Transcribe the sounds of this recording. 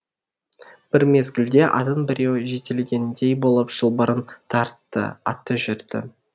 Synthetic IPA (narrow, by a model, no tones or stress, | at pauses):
b̥ɪɾme̞zɡʲɪld̪e̞ʔɑ̰t̪ənbɪɾe̞wʒe̞t̪elɡʲe̞nd̪ejbo̞lˠəpʒ̥əlˠbəɾənt̪ʰɑɾt̪ːə̰ɑ̰t̪ːəʒʏɾd̪̥ɪ̰